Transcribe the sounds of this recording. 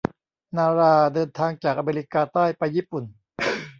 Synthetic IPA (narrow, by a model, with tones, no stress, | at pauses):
naː˧ɾaː˧dɤː˧nt̪ʰaː˧ŋt͡ɕaː˨˩k̚ʔa˧meː˧ɾi˦˧˥kaː˧t̪aː˥˩jpa˧jːiː˥˩pu˨˩n